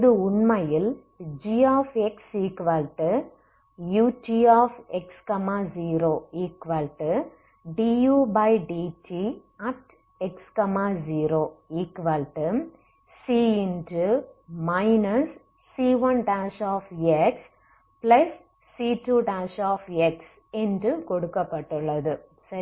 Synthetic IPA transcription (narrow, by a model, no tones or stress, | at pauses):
ðɯʊnmɐjɪl | d͡ʒiːaːfɛksiːkʋalʈɨ | juːʈiːaːfɛkskɐmaːziːɾoːiːkʋalʈɨ | ɖiːjuːbɐɪɖiːʈiː | ɐʈ | ɛkskɐmaːziːɾoːiːkʋɐlʈɯ | siːɪndɯmɐɪnɐsː | iːʋɐnʈaːʃaːfeks | plɐsː | iːʈuʈaːʃaːfɛks | ɛndɾɯkɔɽɯkːɐpːɐʈːɯɭːɐðɯ | sɐ